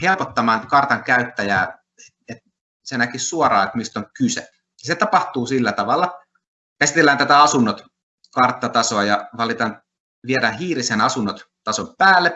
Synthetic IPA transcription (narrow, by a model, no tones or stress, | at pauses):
helpot̪ːɑmɑːnkɑrt̪ɑŋkæyt̪ːæjæː | et̪ | senækissuorɑːet̪mist̪oŋkysḛ | jɑset̪ɑpɑht̪uːsilːæt̪ɑʋɑlːˑɑ | kæsi̥t̪elːænt̪æt̪æɑsunːot̪ | kɑrt̪ːɑt̪ɑsoɑjɑʋɑlit̪ɑn | ʋieɾæhiːrisenɑsunːot̪t̪ɑsompæːlːe